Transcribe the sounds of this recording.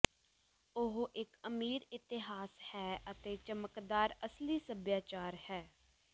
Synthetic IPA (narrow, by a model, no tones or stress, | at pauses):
ʊɦʔɪkəmiːɾɪt̪ɪɦaːshɛːʔət̪eːt͡ʃəməkd̪aːɾəsliːsəbjaːt͡ʃaːɾhɛː